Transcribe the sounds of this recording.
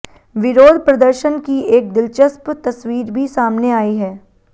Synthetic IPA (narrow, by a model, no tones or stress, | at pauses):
ʋɪɾoːd̪pɾɐd̪əɾʃənkieːk̚d̪ɪlt͡ʃəspt̪ɐsʋiːɾbʱisaːmneaːiɦɛː